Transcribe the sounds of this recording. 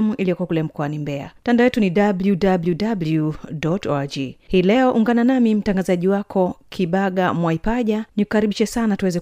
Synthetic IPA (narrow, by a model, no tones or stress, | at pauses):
muʔilijɔkuwakulɛm̩kɔanimbɛa̰tandaɔjɛtuniɗabljudabludabljudɔtɔd͡ʒihiːlɛɔʔuŋɡananamim̩taŋɡazaʄiwakʰɔkʰiɓaɠamwaipaʄaniku̥kaɾiɓiʃɛsanatuwɛzɛ